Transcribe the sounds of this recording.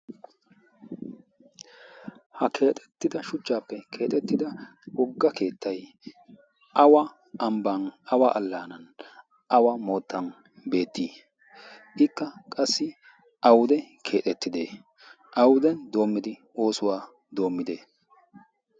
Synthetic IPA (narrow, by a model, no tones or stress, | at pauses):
hɐkʰe̞ːt̪ʼɛ̥t̪ːɪd̪ɐʃʊt͡ʃːaːpːɛkʰe̞ːt̪ʼɛt̪ːɪd̪ɐwɔɡːɐke̞ːt̪ːɐj | ʔɐwɐ | ɐmbanɐwaʔɐlːaːnɐn | ʔɐwɐmo̞ːt̪ːɐn | be̞ːt̪ːiː | ʔɪkːɐkʼɐsːɪ | ʔɐwʊd̪ɛkʰe̞ːt̪ʼɛt̪ːɪd̪ḛː | ʔɐwʊd̪ɛnd̪o̞ːmːɪd̪ɪ | o̞ːsʊwaː | d̪o̞ːmːɪd̪eː